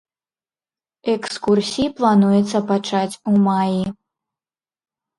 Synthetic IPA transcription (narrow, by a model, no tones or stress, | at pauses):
ɛkskursʲiiplˠanujɛt̪sɐpat͡ʂat͡sʲumaji